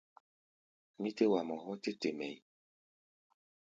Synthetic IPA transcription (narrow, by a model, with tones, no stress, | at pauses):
mĩ˦t̪e˦wa˨mɔ̃˨xɔ˦t̪e˦t̪e˨mɛ̃˨j